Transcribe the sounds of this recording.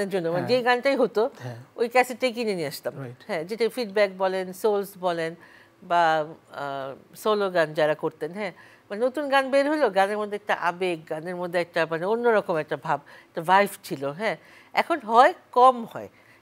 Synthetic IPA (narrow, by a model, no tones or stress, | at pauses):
ad͡ʑonːomaned͡ʑejɡanʈajɦot̪oojkɛsʰeʈejk̬ineniaʃt̪amɦɛ̃d͡ʑeʈaifiɖ̚bɛk̚bɔlensolsbɔlen | ba | soloɡand͡ʑaɾakoɾt̪enɦɛ̃ | manenot̪unɡanbeɾɦoloɡaneɾmod̪ʱːeɛk̚ʈa̰ʔa̰bek̚ɡaneɾmod̪ʱːeɛk̚ʈamaneonːoɾɔkomɛk̚ʈabʱab̚ɛk̚ʈavajft͡ɕʰiloɦɛ̃ | ɛ̰kʰonɦɔekɔmɦɔ̰e